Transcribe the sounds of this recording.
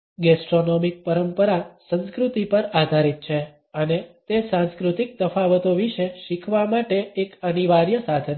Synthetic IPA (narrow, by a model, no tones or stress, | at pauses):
ɡɛsʈɾonomik̚pəɾəmpəɾasə̃nskɾut̪ipəɾad̪ʱaɾit̪̚t͡ʃʰe | ənet̪esãnskɾut̪ik̚d̪əfaʋət̪oʋiʃeʃikʰʋamaʈeːkəniʋaɾjəsad̪ʰʱən